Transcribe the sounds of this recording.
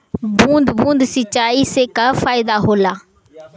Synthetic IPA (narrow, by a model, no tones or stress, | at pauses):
bũːnd̪bũːnd̪sɪt͡ʃaːiːseːkaːfʰaːɪd̪aːɦoːlaː